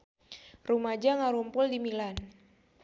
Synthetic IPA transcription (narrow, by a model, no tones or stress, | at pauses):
rumad͡ʒaŋaɾumpʊldimilan